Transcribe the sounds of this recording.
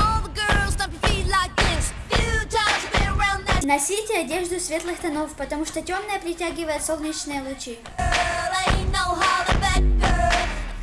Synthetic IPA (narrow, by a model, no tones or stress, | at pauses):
ɔlˠðəɡɜ˞lˠzdəpfidlaɪk̚ðɪs | ɨtʰad͡ʒbiəɹãʊ̃nðənɐsʲitʲɪɐdʲeʐd̪ʊsʲvʲe̞t̪lˠɨxt̪ɐnofpət̪ɐmuʂt̪otʲomnəjəpɾʲɪtʲæɡʲɪvəjɪt̪solˠnʲɪt͡ɕnɨjəlˠʊt͡ɕi | enoʊɦɑɹdəbæk̚ɡɜ˞lˠ